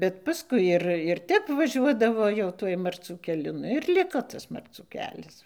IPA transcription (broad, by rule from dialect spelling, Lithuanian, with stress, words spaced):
bʲɛt pɐˈskʊɪ ɪr ɪr ˈtʲɛp ʋɐˈʒʲuɔdɐʋoː jɛʊ ˈtuɔj mɐrʲˈt͡sʲuː kʲɛˈlʲʊ ˈnʊ ɪr ˈlʲɪkoː ˈtɐs mɐrˈt͡suː ˈkʲæːlʲɛs